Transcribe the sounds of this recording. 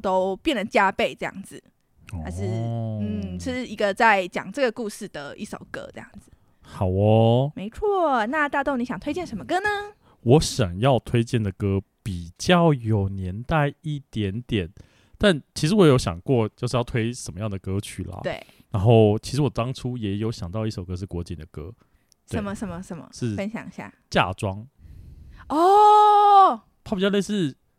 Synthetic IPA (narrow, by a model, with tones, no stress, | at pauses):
t̪o˥ʊpjɛ˥˩nd̪ə˨˩t͡ɕja˥pe˥˧ɪʈ͡ʂɤ˥˧jɑ̰˥˩ŋd͡zɹ̩˨˩ | ha˧˥ʂɻ̩˥˧n̩ʰ˥˩i˧ʂɻ̩˥˩i˧˥ɡə˧t͡sa˥˩ɪt͡ɕjɑ̰˨˩ŋʈ͡ʂɤ˥˩ɡə˩ku˥˧ʂɻ̩˥˩d̪ə˩ḭ˥˩ʂo̰˨˩ʊkɤ̰˥ɤ˥˧jɑ̰˥˩ŋd͡zɹ̩˩ | xɑ˨˩ʊɔ˧me˧˥ɪt͡sʰwɔ˥˩na˥˧t̪a˥˧t̪o˥˩ʊni˥ɕɑ˨˩ŋt̪we˥ɪt͡ɕɛ˥˩nʂə˧˥mə˧kɤ˥nə˧ | wɔ˧˦ɕjɑ˨˩ŋjɑ˥˧ʊt̪ʰwe˥ɪt͡ɕjɛ˥˩nd̪ə˩kɤ˥pi˨˩t͡ɕjɑ˥˩ʊjo˨˩ʊnjɛ˧˦nt̪a˥˧ɪi˥˩t̪jɛ˨˧˥nt̪jɛ˨˩˦n | t̪a˥˩nt͡ɕʰi˧˥ʂɻ̩˧˥wɔ˧˦jjo˧˥ʊɕjɑ̰˨˩ŋkwɔ˥˨t͡ɕjo˥˧ʊʂɻ̩˥˧jɑ˥˩ʊt̪ʰwe˥ɪʂə˨nmə˦jɑ˥˩ŋd̪ə˩kɤ˥t͡ɕʰy˨˩lɐ̰˩t̪we˥˩ɪna˧˦nxo˥˩ʊt͡ɕʰi˧˥ʂɻ̩˧˥wɔ˨˩t̪ɑ˥ŋʈ͡ʂʰu˥jɛ˨˧˥jo˧˥ʊɕjɑ˨˩ŋt̪ɑ˥˧ʊi˥˩ʂo˨˩ʊkɤə˦˥ʂ̬̩˥˩kwɔ˧˥t͡ɕi˨nd̪ə˩kɤ˥ | t̪e˥˧ə˧˥nmə˧ʂə˧˥nmə˧ʂə˧˥nmə̰˧ʂɻ̩˥˩ə˥nɕjɑ̰˨˩ŋ˧ɕja̰˥˩t͡ɕja̰˥˩ʈ͡ʂwɑ˥ŋ | ɔ˥˩ | p̪ʰa˥˩bi˨˩jle˥˧ʂɻ̩˥˩